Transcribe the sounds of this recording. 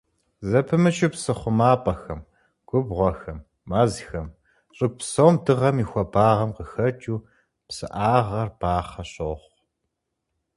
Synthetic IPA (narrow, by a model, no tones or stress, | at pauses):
zɐpʰɨmɨt͡ʃʼɪpsɨχʷʊmaːpʼɐxɐm | ɡ̥ʷʊbʁʷɔxɐmː | azxɐm | ɕʼɨɡ̚ʷpsoːmdɨʁɐmiːxʷɐbaːʁɐmqəxɐt͡ʃʼuː | psɨ̰ʔaːʁɐrb̥aːχɐɕoːχʷ